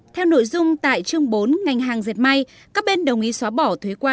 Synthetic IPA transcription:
t̪ʰɛ˧wno̰˧˨jzʊ˧ŋ͡mt̪a̰ː˧˨jt͡ɕɨ˧əŋɓo˨˦nŋa˨˩jŋ̟ɦaː˨˩ŋze˨˩t̚ma˧j | kaː˦˥k̚ɓe˧nɗə˨˩wŋ͡mʔi˨˦swaː˨˦ɓɔ˧˩t̪ʰwe˨˦jkwaː˧

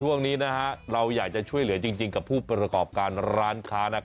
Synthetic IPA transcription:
t͡ɕʰu˥˩əŋniː˦˥na˦˥kʰa˦˥ɾa˧wjaː˨˩k̚t͡ɕa˨˩t͡ɕʰu˥˩əjlɯ˩˦ɐt͡ɕi˧ŋt͡ɕi˧ŋka˨˩pʰuː˥˩pɾa˧kɔː˨˩p̚kaː˧nɾaː˦˥nkʰaː˦˥na˦˥˩

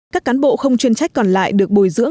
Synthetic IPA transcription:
kaː˦˥kːaː˨˦nɓo̰˧˨xə˧wŋ͡mt͡ɕwi˧nt͡ɕa˦˥jk̚kɔ˨˩nla̰ː˧˨jɗɨ˨˩ək̚ɓo˨˧˩jzɨ̰˧˥əŋ

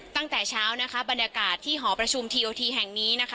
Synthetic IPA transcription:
t̪a˥˩ŋt̪ɛː˨˩t͡ɕʰaː˦˥wna˦˥kʰa˦˥ba˧njaː˧kaː˨˩t̪ʰːiː˥˩ɦɔː˩˦pɾa˧t͡ɕʰu˧mt̪ʰiː˧ʔoː˧t̪ʰiː˧ɦɛ˨˩ŋniː˦˥na˦˥kʰ

